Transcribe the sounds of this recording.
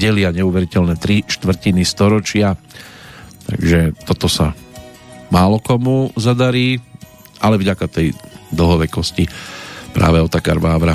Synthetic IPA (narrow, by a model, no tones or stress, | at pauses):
ɛlɪaɲɛuʋɛɾicɛlnɛt̪ɾiʃt̪ʋr̩cinist̪ɔɾɔt͡ʃɪa | t̪a̰ɡʒɛt̪ɔt̪ɔsa | maːlɔkɔmuzad̪aɾiː | ʔalɛvɟakat̪ɛjd̪ɔɦɔʋɛkɔscipɾa̰ːʋɛɔt̪aka̰ɾbaːʋɾa